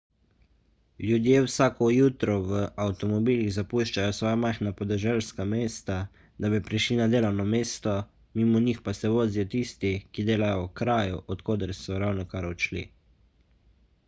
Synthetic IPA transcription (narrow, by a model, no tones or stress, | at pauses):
ljud̪jeːwsaːkɔjuːt̪ɾɔʋəawt̪ɔmɔbiːliɣzapuʃt͡ʃajɔsʋɔːjamajxnapɔd̪ɛʒɛlskameːst̪a | d̪abipɾiʃlinad̪eːlawnɔmeːst̪ɔ | miːmɔnixpasɛʋoːzijɔt̪ist̪ikid̪eːlajɔkɾaːjuʔɔt̪koːd̪ɛɾsɔɾawnɔkaɾɔt͡ʃlḭ